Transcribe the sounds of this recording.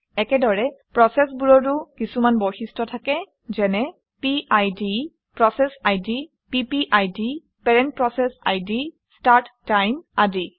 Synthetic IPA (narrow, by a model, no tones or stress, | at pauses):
ɛkɛdɔɹɛpɹɔsɛsbuɹɔɹtʊkisumanbɔxistʰɔtʰakɛ | zɛnɛ | piʔajdi | pɹɔsɛsajdi | pipiʔajdi | pɛɹɛnt̚pɹɔsɛsa̰jdi | staɹtːajmadi